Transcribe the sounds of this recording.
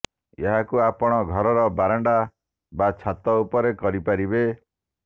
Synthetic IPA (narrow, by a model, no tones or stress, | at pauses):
eɦakuapɔɽ̃ɔɡʱɔɾɔɾɔbaɾɔɳɖa | bat͡ʃʰat̪ɔupɔɾekɔɾipaɾibe